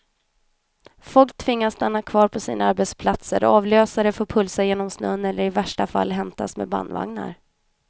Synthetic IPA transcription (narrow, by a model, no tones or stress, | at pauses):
fɔlk̚t̪ʰvɪŋːassːt̪anːakʰvɑːɾpʰɔsḭːnaaɾbɛt̪spʰlat̪sə̰ɾɔ̰ɑːvløːsaɾəfoːɾpʰɵlsajeːnɔmsnɵ̰nːɛlːəɾɪvæʂʈafa̰lːɦɛmt̪ʰa̰smḛba̰nd̪va̰ŋna̰ɾ